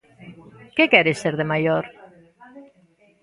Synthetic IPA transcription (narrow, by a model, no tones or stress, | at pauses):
kekɛɾeseɾðemajoɾ